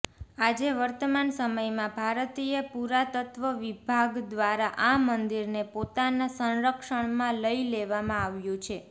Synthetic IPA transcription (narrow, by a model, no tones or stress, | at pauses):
ad͡ʒeʋəɾt̪əmansəməjmãbʱaɾt̪ijəpuɾat̪ət̪ʋəʋibʱaɡd̪ʋaɾaʔamənd̪iɾnepot̪anasə̃nɾəkʃəɳ̃mãləileʋamãaʋjũt͡ʃʰe